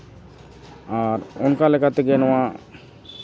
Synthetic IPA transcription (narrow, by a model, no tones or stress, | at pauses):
aɾɔnkalɛkʰat̪ɛɡɛnɔwa